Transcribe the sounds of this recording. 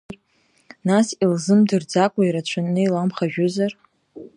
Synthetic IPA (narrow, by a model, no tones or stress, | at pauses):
nasilzɨmdɨrd͡zakʷʼaiɾat͡ɕʷʰannɨilamχaʒᶣʊzar